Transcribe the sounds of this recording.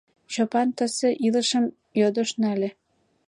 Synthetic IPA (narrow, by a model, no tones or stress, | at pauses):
t͡ɕopɑnt̪ə̆sĕʔilə̆ʃə̆m | jod̪ŏʃnælĕ